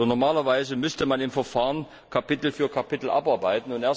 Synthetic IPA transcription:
nɔɐmaːlɐvaɪzəmʏstəmanɪmfɛɐfaːʁən | kʰapɪtl̩fyːɐkʰapɪtl̩ʔa̰pʔaɐbaɪtn̩ʊnteːɐ

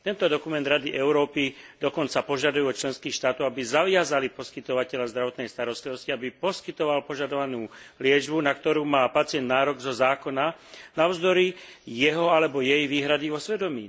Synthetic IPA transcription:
t̪ɛnt̪ɔd̪ɔkumɛnd̪ɾad̪iʔɛʊɾɔːpid̪ɔkɔnt͡sapɔʒad̪ujuɔt͡ʃlɛnskiːxʃt̪aːt̪ɔʊabizaʋɪazalipɔskit̪ɔʋacɛʎazd̪ɾaʋɔt̪nɛjst̪aɾɔst̪liʋɔsciabipɔskit̪ɔʋalpɔʒad̪ɔʋanuːlɪɛd͡ʒbunakt̪ɔɾuːmaːpat͡sɪɛnd̪naːɾɔɡzɔzaːkɔnanaʊzd̪ɔɾijɛɦɔalɛbɔjɛjʋiːɦɾad̪iʋɔsʋɛd̪ɔmḭː

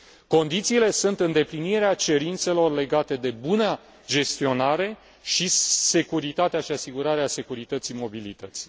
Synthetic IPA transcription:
ko̞nd̪it̪siːle̞sunt̪ɨnd̪e̞pliniɾeat͡ʃe̞ɾint̪se̞lo̞rle̞ɡat̪e̞d̪e̞buna | d͡ʒe̞st̪io̞naɾe̞ | ʃise̞kuɾit̪at̪eaʃiasiɡuɾaɾease̞kuɾit̪ət̪simo̞bilit̪ət̪si̥

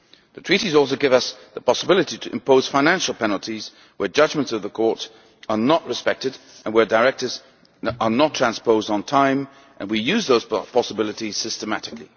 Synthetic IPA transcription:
ðɨtʰɹ̥iɾizɔlˠsoʊɡɪvʌsðəpʰɑsəbɪlˠəɾiɾʰɨʔɨ̰̃mpʰoʊz̥fãɪ̃næ̃nʃl̩ˠpʰɛnl̩ˠtʰiz̥ | wə˞d͡ʒʌd͡ʒmə̃ntsʌvðəkʰɔɹɾ | ə˞nəʔɹɨspɛk̚tɨd | ə̃nwə˞dəɹɛk̚tə˞z | ə˞nətʰɹ̥æ̃nspoʊzdn̩tʰãɪ̃m | ʔə̃nwijʉzðoʊz̥pʰɑsəbɪlˠəɾiz̥sɪstəmæɾɨkli

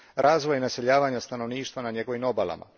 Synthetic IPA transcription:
ɾʔaːzʋojnase̞ʎaːʋaːɲast̪ano̞ʋniːʃt̪ʋanaɲeɡo̞ʋimobalˠa̰ma̰

